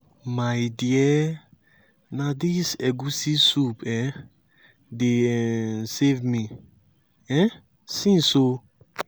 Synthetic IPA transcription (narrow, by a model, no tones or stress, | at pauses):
majdiɛ | nadisɛɡusisupʰɛ̃ | de | sevmĩ | ɛ̃ | sĩnso